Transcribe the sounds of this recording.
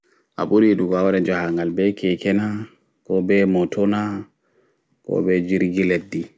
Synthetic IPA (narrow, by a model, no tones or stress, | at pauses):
ʔa̰ɓuɾiɗuɡɔawaɾɛd͡ʒahaŋɡalbɛkɛkɛna | kɔbɛmɔtʰɔna | kɔ̰bɛd͡ʒiɾɡilɛdi